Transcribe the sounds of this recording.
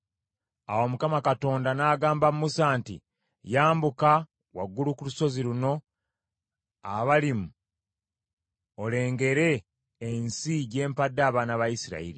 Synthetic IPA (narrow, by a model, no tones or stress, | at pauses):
awomukamakato̞ːndanaːɡaːmbamumusaːntḭ | jaːmbuka | waɡːulukuluso̞ziɾuno̞ | a̰βalimu | ole̞ːŋɡe̞ɾe̞ː | nsiɟe̞ːmpadːaːβaːnaβajisiɾa̰ḭɾi